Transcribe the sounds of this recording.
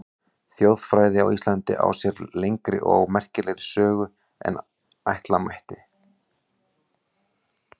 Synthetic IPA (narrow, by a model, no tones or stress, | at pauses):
θjowð̥fɾaːjðɪa̰wist̪lant̪ɪʔa̰wsjɛɾlejŋkɾɪ̰ʔɔɣmɛr̥cɪlejɾɪsœːɣʏ | ɛ̰n | ajht̪lamajht̪ɪ